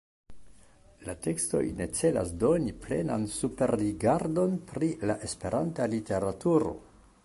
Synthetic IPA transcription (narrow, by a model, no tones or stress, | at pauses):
late̞ksto̞̰jne̞t͡se̞la̰sdo̞niple̞̰na̰nsupe̞ɾliɡaɾdo̞npɾilaʔe̞spe̞ɾantalite̞ɾatuɾo̞̰